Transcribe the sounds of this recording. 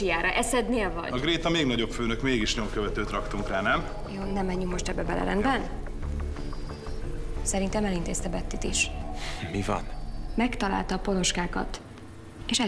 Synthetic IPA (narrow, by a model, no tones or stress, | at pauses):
ijaːɾɒ̰ʔɛsɛd̪neːlvɒ̰ɟɒɡɾeːt̪ɒmeːɡnɒɟopføːnøkmeːɡiʃɲo̞mkøvɛt̪øːt̪rɒkt̪uŋkraːnɛm | joːnɛmːɛɲːyŋkmo̞ʃt̪ɛbːɛbɛ̰lɛ̰ɾɛ̰nd̪bɛn | sɛɾint̪ɛmɛlint̪eːst̪ɛbɛt̪ːit̪iʃmivɒ̰nmɛkt̪ɒla̰ːlt̪ɒːpo̞lo̞ʃkaːkɒ̰t̪ | eːʃɛ